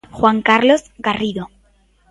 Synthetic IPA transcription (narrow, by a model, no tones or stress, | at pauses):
xwaŋkaɾlo̞zɡariðo